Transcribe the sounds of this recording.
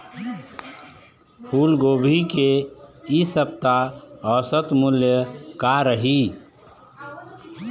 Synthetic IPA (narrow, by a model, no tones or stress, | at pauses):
pʰuːlɡoːbʱikeisəp̚t̪aɔːsət̪muljəkaɾəɦi